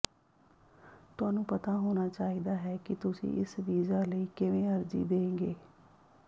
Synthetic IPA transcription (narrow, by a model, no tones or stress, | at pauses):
t̪ʊaːnũːpət̪aːɦoːnaːt͡ʃaːɦiːd̪aːɦɛːkɪt̪ʊsḭ̃ːʔɪsʋiːzaːləiːkɪʋẽːəɾd͡ʒḭːd̪eːɡeː